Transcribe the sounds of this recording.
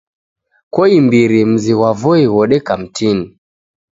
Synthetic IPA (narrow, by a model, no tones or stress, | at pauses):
kɔimbiɾim̩ziwavɔiwɔɗɛkam̩tʰini